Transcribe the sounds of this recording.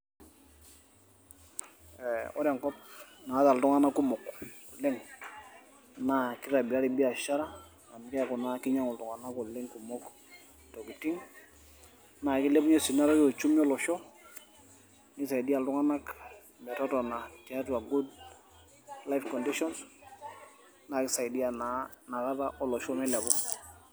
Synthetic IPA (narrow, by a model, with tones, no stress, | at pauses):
ɛɔ̰˦ɾa˨ŋkɔ˦p̚na˨˦ta˨ltʊ˦ŋa˦na˦ku˦mɔ˨kʊ˨lɪ˦ŋ | na˨kɪ˦ɾa˨bi˨a˦ɾɪ˨bi˦a˨ʃa˦ɾa˦ | a˨n˨kɛ˦˨kʊ˨na˦kɪ˦ɲa˦ŋʊ˨ltʊ˨ŋa˨na˦kɔ˨lɪ˦ŋku˨mɔ˦k | tɔ˨ki˨ti˦ŋ | na˨kɪ˦lɛ˦bu˦ɲe˦si˨na˦ɾɔ˦ɔ˨t͡ʃu˦mi˦ɔ˦lɔ˨ʃɔ˦ | ni˦s̬a˨i˨di˦a˨ltu˦ŋa˦na˦k | mɛ˨tɔ˦tɔ˨na˨tɛ˨a˦tua˨ɡu˦d | la˦jfkɔ˨ndi˦ʃɔ˦ns | na˨kɪ˦sa˨jdi˦a˨nana˨ka˦ta˦ʔɔ˨lɔ˨ʃɔ˦mɛ˦la˨bɔ˦